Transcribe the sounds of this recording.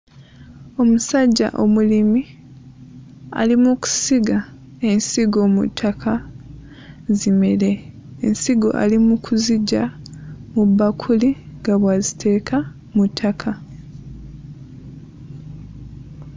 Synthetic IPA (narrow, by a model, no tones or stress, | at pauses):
o̞musaɟːa̰ʔo̞̰mulimi | a̰limuku̥siɡa | e̞nsiɡo̞mṵtʰːakʰa | zime̞le̞ː | nsiɡo̞̰ʔa̰limukʰuziɟamubːakʰuli | ŋɡaβwazitʰe̞ːkʰa | mutʰːakʰa